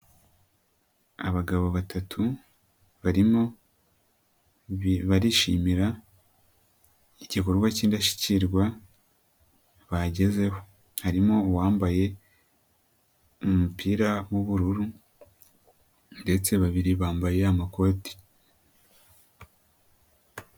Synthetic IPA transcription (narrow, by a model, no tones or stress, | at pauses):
aβaɡaβo̞βatatʰu | βaɾimo̞ | βaɾiʃimiɾa | iɟiko̞ɾɡwaciːndaʃi̥ciɾɡwa | βaɟe̞ze̞ho̞ | haɾimo̞waːmbaje̞ | umupʰiːɾawuβuɾuɾu | nde̞t͡se̞βaβiɾiβaːmbaje̞amako̞ːti̥